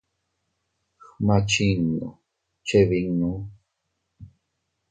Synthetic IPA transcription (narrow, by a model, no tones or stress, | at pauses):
xmat͡ʃiŋno̰ | t͡ʃeβiŋnu